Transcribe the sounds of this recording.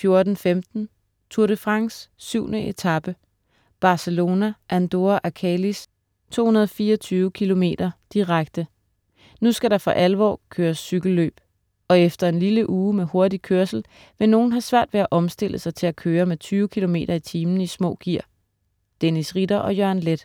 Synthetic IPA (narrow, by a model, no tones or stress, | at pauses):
fjo̝ɐd̥n̩femd̥n̩ | t͡sʰuɐ̰ɾ̥əfʁɑ̈ŋsːyʊ̰nəʔe̝t͡sʰɑ̈b̥ə | b̥ɑ̈səlo̝ːnæʔænd̥o̝æʔækʰɛlis | t͡sʰo̝̰ːhunɐð̞ˠɒfiːɒt͡sʰyːʊəkʰilo̝me̝̰ːd̥ɐd̥iʁaɡ̥̚d̥ə | nusɡ̥æɾɑ̈fɒʔælʋɒ̰ːkʰøːɐsːyɡ̥l̩ːø̰ːb̥ | ɒ̽efd̥ɐe̝nliləʔuːmeho̝ɐd̥ikʰøɐsl̩ | ʋe̝no̝ːn̩ɦɑ̈sʋæɐ̰d̥ʋeæʔɒ̽msd̥e̝l̰əsɑ̈ɪt͡sʰe̝ækʰøːɐmet͡sʰyːʊəkʰilo̝me̝̰ːɾ̥ɐit͡sʰiːmn̩əismɔ̰̽ːɡ̥iɐ̰ | d̥enisʁid̥ɐʔɒ̽jœɐ̰nled̥